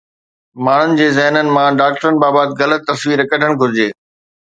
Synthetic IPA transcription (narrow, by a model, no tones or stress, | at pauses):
maːɳ̤ʊnɪ̆d͡ʑeːzɛɦnənɪ̆mãɖaːk̚ʈəɾənɪ̆baːbaːd̪ɣɐlət̪ːɐsʋiːɾɐkəɖʱəɽ̃ɡʱʊɾɪd͡ʑeː